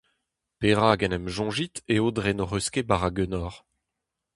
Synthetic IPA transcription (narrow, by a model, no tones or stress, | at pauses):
peʁaɡɛnɛmʒɔ̃ʒit̪eod̪ʁenoʁøskebaʁaɡønɔːʁ